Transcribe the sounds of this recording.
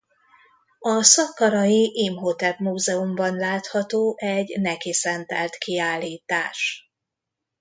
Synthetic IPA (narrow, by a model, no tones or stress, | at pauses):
ɒsɒkːɒɾɒjiʔiːmɦo̞t̪ɛlmuːzɛumbɒnlaːt̪hɒt̪oːʔɛɟnɛkisɛnt̪ɛ̰lt̪kiaːlːiːt̪aːʃ